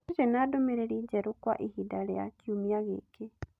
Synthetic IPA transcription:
ɾɛnadomeɾeɾid͡ʒɛɾokwa̰ʔihidaɾea̰kjumiaɣḛːke

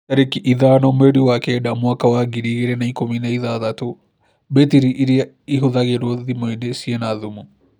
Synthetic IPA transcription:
taɾekiʔiðanɔmɛɾiwakɛɗamuakawaɡiɾiɣeɾɛnaikominaiðaðato | bɛtiɾiʔːɾia | iɦuðaɣɛɾoðimwɛdɛsiɛnaðumu

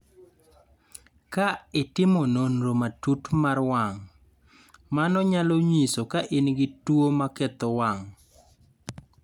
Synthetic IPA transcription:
kaɪtɪmononɾomatutmarwaŋ | manɔɲalɔɲisokaʔɪnɡɪtwomaket̪ɔwaŋ

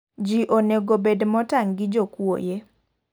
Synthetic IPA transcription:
d͡ʒiʔoneɡobedmɔtaŋɡɪd͡ʒokwo̰je

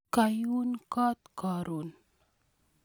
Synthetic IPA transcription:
kajunkat̪̚kaɾun

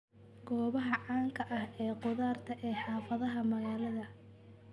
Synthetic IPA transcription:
ɡ̥ɔːβɐɦɐʕaːŋkʰɐʔɐhɛːqʊðaːrt̪ʰɐʔɛːħɑːfɐðɐɦɐmɐɣaːlɐðɐ

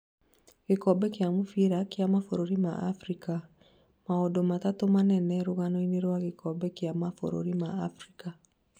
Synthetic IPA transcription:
ɣekɔbɛkjamufiɾakjamafoɾoɾima̰ʔa̰fɾika | maɔdɔmatatomanɛnɛɾoɣanɔineɾwaɣekɔbɛkjamafo̰ɾo̰ɾima̰ːfɾika

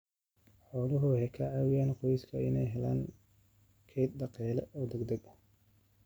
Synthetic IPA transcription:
ħɔːlʊɦʊhɛkʰɐʕaːwɪjaːnqɔjɪskʰɐɪnɛjɦɛla̰ːn | kʰɛːt̪̚d̪ɑqɛːlɛ̰ʔɔːd̪ɛɡd̪ɐɡɐ

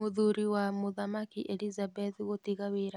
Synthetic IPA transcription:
moðuɾiwamoðamakiʔelizabɛðɣotiɣaweːɾa

